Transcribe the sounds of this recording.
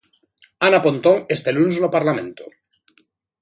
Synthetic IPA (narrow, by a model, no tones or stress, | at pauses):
anapont̪oŋest̪elunznopaɾlamḛ̃nt̪o̥